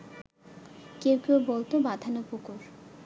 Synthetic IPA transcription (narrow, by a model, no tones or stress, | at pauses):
kewkiobolt̪obad̪ʱanopukuɾ